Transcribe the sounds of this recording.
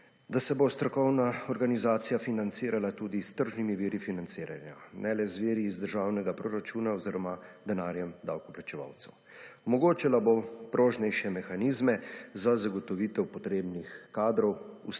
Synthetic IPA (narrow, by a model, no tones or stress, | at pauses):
d̪asɛbost̪ɾɔkɔwnaɔɾɡanizaːt̪sijafinant̪siːɾalat̪uːd̪ist̪əɾʒnimiʋiːɾifinant̪siːɾa̰nja̰nʔɛlɛzʋeːɾiːzd̪əɾʒaːwnɛɡapɾoɾat͡ʃuːnaoziɾɔmad̪ɛnaːɾjɛmd̪awkɔplat͡ʃɛʋa̰ːwt̪sɛw | ɔmɔɡoːt͡ʃalabopɾoːʒnɛjʃɛmɛxaniːzmɛzazaɡɔt̪ɔʋiːt̪ɛwpɔt̪ɾeːbnixkaːd̪ɾɔwu